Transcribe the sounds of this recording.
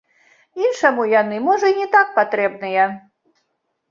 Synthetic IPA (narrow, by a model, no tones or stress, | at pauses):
inʂɐmujanɨmɔʐɐinʲɛt̪ak̚pat̪ɾɛbnɨjɛ